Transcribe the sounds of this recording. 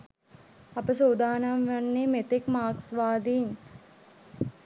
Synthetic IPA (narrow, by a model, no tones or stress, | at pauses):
ɐpəs̬oːd̪aːnamʋanːemet̪ekmaːksʋaːd̪iːn